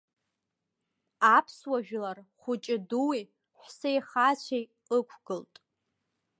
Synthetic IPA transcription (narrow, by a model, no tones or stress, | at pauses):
apʰswaʒᶣlarχʷʊt͡ʃʼɪduwi | ħʷsejχat͡ɕʷʰej | əkʷʰɡ̥ɨltʼ